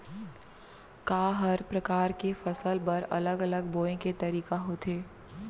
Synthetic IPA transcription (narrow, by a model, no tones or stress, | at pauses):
kaːɦɐɾpɾɐkaːɾkefɐsəlpɐɾɐ̰ləɡələɡboːẽket̪ɐɾiːkaɦot̪ʰeː